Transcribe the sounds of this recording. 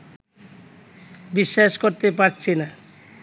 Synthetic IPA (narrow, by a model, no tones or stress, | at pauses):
biʃːaʃkoɾt̪epaɾt͡ɕʰena